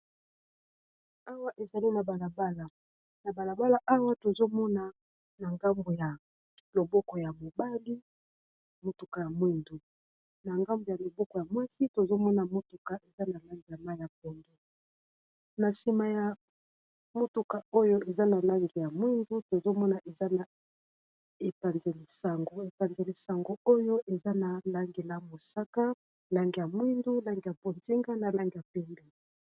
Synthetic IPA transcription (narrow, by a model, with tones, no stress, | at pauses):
a˦wa˦ʔe˨za˨li˦na˨ba˨la˨ba˦la˨ | na˨ba˨la˨ba˦la˦ʔa˦wa˦to˨zo˦mɔ˦na˨ | na˨ŋɡa˦mbo˨ja˨ | lo˨bɔ˦kɔ˨ja˨mo˨ba˦li˦˨ | mo˦tu˨ka˨ja˨mwi˦ndu˨ | na˨ŋɡa˦mbo˨ja˨lo˨bɔ˦kɔ˨ja˨mwa˦si˦to˨zo˦mɔ˦na˨mo˦tu˨ka˨ʔe˨za˦na˨la˦ŋɡi˨ja˨ma˦i˨ja˨p̚o˨ndo˨ | na˨si˨ma˨ja˨ | mo˦tu˨ka˨o˦jo˦ʔe˨za˦na˨la˦ŋɡi˨ja˨mwi˦ndu˦to˨zo˦mɔ˦na˨ʔe˨za˦na˨ | e˨pa˨nze˨li˨sa˨ŋɡo˨e˨pa˨nze˨li˨sa˨ŋɡo˦o˦jo˦ʔe˨za˦na˨la˦ŋɡe˨la˦mo˨sa˦ka˦ | la˦ŋɡi˨ja˨mwi˦ndu˦la˦ŋɡi˨ja˨po˨nzi˦ŋɡa˦na˨la˦ŋɡi˨ja˨pɛ˦mbɛ˨